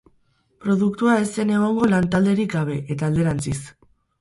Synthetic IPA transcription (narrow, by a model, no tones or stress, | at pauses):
pɾo̞ðuk̚t̪uae̞se̞ne̞ɣ̞o̞ŋɡo̞lant̪ald̪e̞ɾikɡaβ̞e̞ʔet̪aːld̪e̞ɾant͡sis